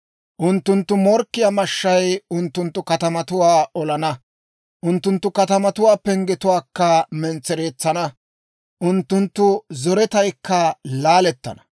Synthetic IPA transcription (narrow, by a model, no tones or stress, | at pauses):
ʔʊnt̪ːʊnt̪ːʊmɔɾkːɪjɐmɐʃːɐjʊnt̪ːʊnt̪ːʊkɐt̪ɐmɐt̪ʊwaːɔlɐnɐ | ʔʊnt̪ːʊnt̪ːʊkɐt̪ɐmɐt̪ʊwaːpːɛŋɡɪt̪ʊwaːkːɐmɛnt͡sːɛɾe̞ːt͡sːɐnɐ | ʔʊnt̪ːʊnt̪ːʊzɔɾɛt̪ɐjkːɐlaːlɛt̪ːɐ̰nɐ̥